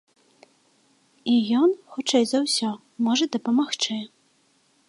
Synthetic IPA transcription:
ijɔnxut͡ʂɛjzawsʲɔ | mɔʐɐd̪ɐpɐmaxt͡ʂɨ

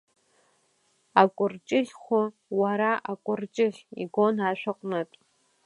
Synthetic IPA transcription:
akʷʼʊrt͡ʃʼɪɮʲχʷʊ | waɾaʔakʷʼʊrt͡ʃʼɪχʲḭɡʷonaːʃʷᶣaqʷʼnɨtʼ

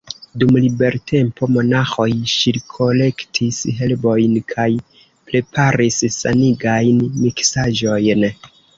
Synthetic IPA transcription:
dumlibe̞ɾtʰe̞mpo̞mo̞naxo̞jʃiɾkʰo̞le̞ktʰisɦe̞lbo̞jnkʰaj | pɾe̞pʰaɾisːaniɡajnmiksaʒo̞jn

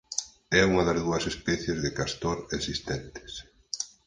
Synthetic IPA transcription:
ɛuŋɐðɐzðuɐsespɛθjezðekast̪oɾesist̪ɛnt̪ɪ̥s

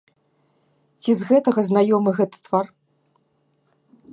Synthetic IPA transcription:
t͡sʲizɣɛt̪ɐɣɐznajɔmɨɣɛt̪ɐ̥t̪var

